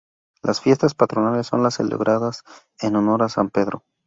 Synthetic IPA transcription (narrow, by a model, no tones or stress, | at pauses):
lʔasfje̞st̪aspat̪ɾonale̞sːo̞̰nlasːe̞̰lḛβɾʔaðas | e̞nono̞ɾasampe̞ðɾo̞̰